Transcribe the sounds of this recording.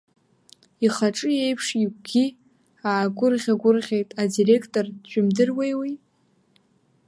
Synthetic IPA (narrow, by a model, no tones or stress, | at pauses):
iχaʈ͡ʂʼɨjejpʰʂiɡ̚ʷɡʲi | aːɡʷʊrʁʲaɡʷʊrʁʲe̞jtʼadire̞kʰtʼo̞rt͡ʃʷᶣʰʼʊmdɨrwejwij